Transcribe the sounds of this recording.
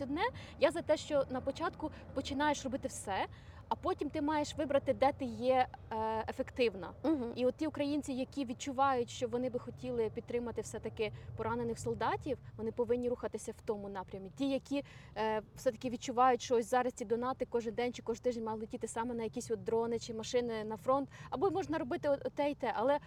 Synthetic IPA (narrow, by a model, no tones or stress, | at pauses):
sʲʊd̪nɛjazɐt̪ɛʃt͡ʃɔnɐpɔt͡ʃɑt̪kʊ | pɔt͡ʃɪn̪ɑjeʃrɔbɪt̪ɪwsɛ | ɐpɔtʲimt̪ɪmɑjeʃʋɪbɾɐt̪ɪd̪ɛt̪ɪjɛ | efekt̪ɪwnɐɦiɔt̪̚ʲtʲiʊkɾɐjinʲt͡sʲijɐkʲiʋʲid̪̚t͡ʃʊʋɑjʊtʲʃt͡ʃɔʋɔnɪbɪxɔtʲilˠɪpʲid̪̚t̪ɾɪmɐt̪ɪwsɛt̪ɐkɪpɔɾɑnenɪxsɔlˠd̪ɑtʲiwʋɔnɪpɔʋɪnʲːiɾuxɐt̪ɪsʲɐwt̪ɔmʊnɑpɾʲɐmʲitʲijɐkʲʰi | w̥sɛt̪ɐ̥kɪʋʲid̪̚t͡ʃʊʋɑjʊtʲʃt͡ʃɔɔsʲzɑɾɐsʲtʲid̪ɔnɑt̪ɪkɔʒɪnd̪ɛnʲt͡ʃɪkɔʒt̪ɪʒnenʲmɑlˠɪtʲit̪ɪsɑmɛnɐjɐkʲisʲɔt̪̚d̪ɾɔnɪt͡ʃɪmɐʃɪnɪnɐfɾɔnt̪ɐbɔmɔʒnɐɾɔbɪt̪ɪɔɔt̪ɛit̪ɛʔɐlˠɛ